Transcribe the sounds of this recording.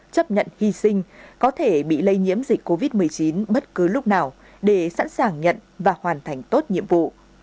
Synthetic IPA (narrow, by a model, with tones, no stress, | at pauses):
t͡ɕə˦˥p̚ɲə̰˧˨nhi˧sï˧ŋ̟kɔ˨˦t̪ʰe˧˩ɓḭ˧˨lə˧jɲḭ˧˥əmzi˨˩k̟ko˧vi˦˥t̚m˨˩əjt͡ɕi˨˦nɓə˦˥t̚kɨ˨˦lʊ˦˥k͡p̚naː˨˩w | ɗe˧˩sa̰˧˥nsaː˨˩ŋɲə̰˧˨nvaː˨˩hwaː˨˩nt̪ʰa˨˩jŋ̟t̪o˦˥t̚ɲḭ˧˨əmvṵ˧˨